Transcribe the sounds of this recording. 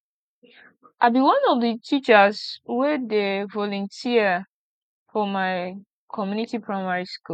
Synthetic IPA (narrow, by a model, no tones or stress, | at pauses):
ʔaɪbiwʌ̃nɔvdətʰit͡ʃəzwɛdevɔlɔ̃ntʰiə | fɔmaɪ | kʰɔmjunitipʰɹaɪmaɹisku